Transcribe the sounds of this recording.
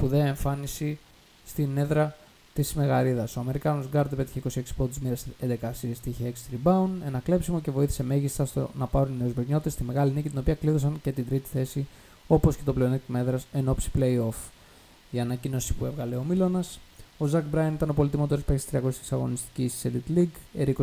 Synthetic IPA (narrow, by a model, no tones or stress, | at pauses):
puðeeɱfɐnisi | st̪ine̞ðɾɐ | t̪isme̞ɣɐɾiðɐso̞ɐme̞ɾikɐnosɡɐɾd̪pe̞t̪i̥çeiko̞sie̞ksi̥pot̪zmiɾesend̪e̞kɐsiɾist̪içeekst̪ɾibɐune̞nɐkle̞psimo̞ce̞vo̞iθi̥se̞me̞ʝist̪ɐst̪o̰nɐpɐɾunnːeuzmeɲo̞t̪est̪ime̞ɣɐlinicit̪ino̞piɐkliθo̞sɐɲce̞t̪ind̪ɾit̪i̥θe̞si | o̞po̞sce̞t̪o̞pleonit̪me̞ðɾɐse̞no̞psi̥ple̞io̞f | iɐnɐcino̞si̥pue̞vɣɐle̞o̞milo̞nɐso̞zɐkbɾɐjɐnit̪ɐno̞po̞lit̪imot̪oɾispest̪ɾiɐko̞sisi̥sɐɣo̞nist̪i̥cisselit̪liɡeɾiko